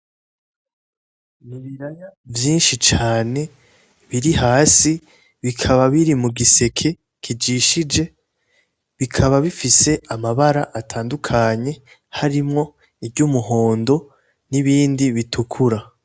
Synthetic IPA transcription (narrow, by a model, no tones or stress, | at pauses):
niβiɾajavjiːnʃit͡ʃaːne̞ | βiɾihaːsi | βikʰaβaβiɾimuɡise̞kʰe̞ | kʰid͡ʒiʃid͡ʒe̞ | βikʰaβaβifise̞amaβaɾaʔatʰaːndukʰaɲe̞ | haɾimŋo̞ | ibɟuːmuɦo̞ːndo̞ | niβiːndiβitʰukʰuɾa